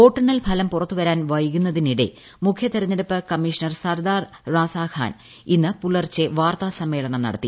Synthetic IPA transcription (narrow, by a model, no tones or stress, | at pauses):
o̞ːʈːɐɳːɐlpʰɐlɐmpurɐt̪ːuʋɐɾaːnʋɐjkunːɐðiniɽḛ | mukʰjɐt̪ɐɾɐɲːɐɾɐpːɨkɐmːiʂɐnɐrsɐrd̪aːrːaːsaːkʰa̰ːn | inːɨpuɭɐrt͡ɕːeʋaːrt̪aːsɐmːe̞ːɭɐɳɐmnɐ̰ɽɐt̪ːi